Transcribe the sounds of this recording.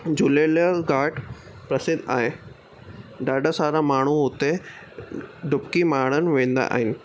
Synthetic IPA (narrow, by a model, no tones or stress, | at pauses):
d͡ʑuleləɡaːʈ | pɾɐsɪd̪ʱa̰ːɦe | ɖaːɖəsaːɾamaːɳ̤̃uʊt̪e | ɖʱʊpkimaːɽ̃ənɪ̆ʋẽːn̆d̪a̰ʔa̰ːɦɪnɪ̆